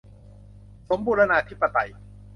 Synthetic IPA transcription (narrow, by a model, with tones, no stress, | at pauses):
so˩˦mpʰuː˧na˧naː˧t̪ʰi˦˥pːa˧t̪a̰˧j